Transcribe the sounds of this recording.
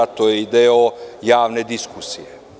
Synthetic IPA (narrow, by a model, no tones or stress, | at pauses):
at̪ojeid̪eojaːʋne̞d̪iskusḭje